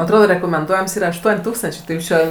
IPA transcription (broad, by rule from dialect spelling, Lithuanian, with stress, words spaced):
ɐtˈroːdoː rʲɛkoːmʲɛnˈduɔjɛms ˈiːrɐ ɐʃˈtuɔnʲ ˈtuːkstɐnʲt͡ʃʲeː tɐɪ ˈjuːs t͡ʃʲɛ